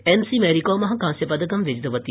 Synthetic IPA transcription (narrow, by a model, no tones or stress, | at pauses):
ensimeɾikoːmɐɦɐkãːnsjɐpɐd̪ɐkɐmʋɪd͡ʒd̪ɐʋɐt̪i